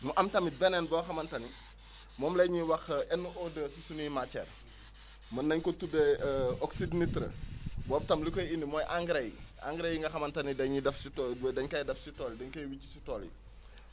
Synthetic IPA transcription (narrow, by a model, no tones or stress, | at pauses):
muʔɐmtɐmit̚bɛnɛnbɔːxɐmɐntɐni | mɔːmlɛɲiwɐxʔɛnːuʔɔdəsisunujimat͡ʃɛ̰ːr | mɐnːɐɲkɔtudɛɔksidnitɾə̰bɔːp̚tɐmlikɔjinːimɔːjʔaŋɡɾɛja̰ŋɡɾejiŋɡɐxɐmɐntɐnidɐɲidɛfsitdɛɲkɐjdɐfsitɔːldɛɲkɐjwit͡ʃːi̥sitɔːlḭ